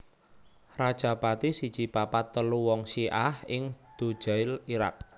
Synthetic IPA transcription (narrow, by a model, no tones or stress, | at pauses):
rad̥ʒ̥a̤pat̪isid̥t͡ʃipapat̪ːəluwɔŋʃiʔahɪŋd̪̥o̤d̥ʒ̥a̤ɪliɾa̰k̚